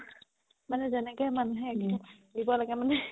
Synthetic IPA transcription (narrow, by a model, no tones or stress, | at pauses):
manɛzɛnɛkɛmanuɦɛkdibɔlaɡɛmanɛ